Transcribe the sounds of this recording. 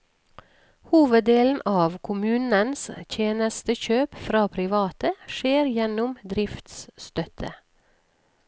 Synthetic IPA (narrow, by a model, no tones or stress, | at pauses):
huːʋəd̪eːln̩ʔɑːʋkʰʊmʉːnənst̪ʰjeːnəst̪əçøːpfɾɑːpʰɾɪʋɑːt̪əʃeːɾjɛnʊmd̪ɾɪft̪sst̪œt̪ʰə